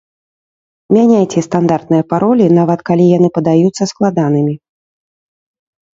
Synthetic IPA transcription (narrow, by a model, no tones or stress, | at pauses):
mʲanʲajt͡sʲɛst̪and̪art̪̚nɨjɐpaɾɔlʲinavɐt̪kalʲijanɨpɐd̪ajut̪sːɐsklˠad̪an̪ɨmʲi